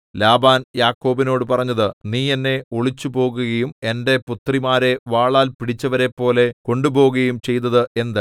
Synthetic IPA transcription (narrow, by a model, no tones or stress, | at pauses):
laːbaːnjaːkːo̞ːbino̞ːɽɨpɐrɐɲːɐðɨniːenːe̞oɭit͡ɕːubo̞ːɣuɣɐjume̞nde̞put̪rimaːɾe̞ʋaːɭaːlpiɽit͡ɕːɐʋɐɾe̞pːo̞ːle̞ko̞ɳɖubo̞ːɣɐjumt͡ɕejt̪ːɐðɨe̞nd̪ɨ